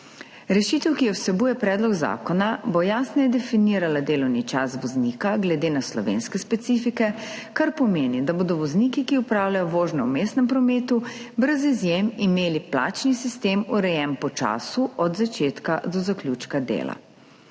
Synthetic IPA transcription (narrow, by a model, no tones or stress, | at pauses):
ɾɛʃiːt̪ɛwkijɛwsɛbuːjɛpɾɛːd̪lɔɡza̰ːkɔnabojaːsnɛjɛd̪ɛfiniːɾalad̪eːlɔwnit͡ʃa̰sʋɔzniːkaɡlɛd̪eːnaslɔ̰ʋḛːnskɛspɛt̪sifikɛkaɾpɔmeːnid̪abod̪ɔʋɔzniːkikiupɾaːwlʲajɔʋoːʒnɔwmeːst̪nɛmpɾɔmeːt̪ubɾəzizjemimeːlipla̰ːt͡ʃnisist̪eːmuɾɛjɛmpɔt͡ʃa̰ːsuʔɔd̪zat͡ʃeːt̪kad̪ɔzaklʲuːt͡ʃkad̪ḛːla̰